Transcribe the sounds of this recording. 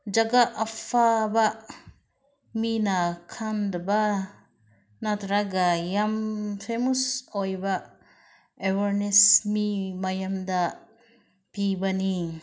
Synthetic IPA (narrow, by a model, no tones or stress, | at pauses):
d͡ʒaɡaʔːpʰaba | minakʰandɐba | nat̪ɾaɡajampʰemusojba | ewaɾnesmimajamda | pibani